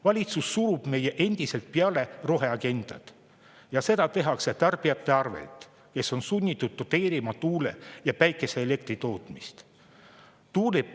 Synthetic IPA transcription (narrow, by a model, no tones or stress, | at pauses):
vɑlʲit̪susːuɾub̥me̞je̞ʔe̞nd̪̥ise̞lt̪̚peɑle̞ro̞ɦe̞ɑɡe̞nd̪̥ɑ̰t̪ | jɑse̞d̪ɑt̪e̞ɦɑkse̞t̪ɑrb̥iɑt̪ˑːe̞ɑrvḛlt̪ | ke̞so̞nsunʲːit̪ːˑud̪̥̚t̪ːot̪e̞ːɾimɑt̪uːlejɑpæjkːˑe̞se̞ːle̞k̚t̪rit̪o̞ːt̪ˑmist̪ | t̪uːle